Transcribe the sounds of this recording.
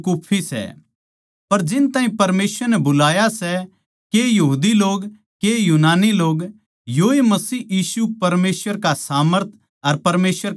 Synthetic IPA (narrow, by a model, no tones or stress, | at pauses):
kuːpʰːisɛ̰ | pɐɾd͡ʒɪnt̪ãːɦĩpɐɾmeːsʋəɾnɛbʊlaːjasɛ | kejɐɦuːd̪iloːɡ | kejuːnaːniloːɡ | joːemɐsiːjiːsupɐɾmeːsʋəɾkasaːməɾt̪ʰ | ɐɾpɐɾmeːsəɾ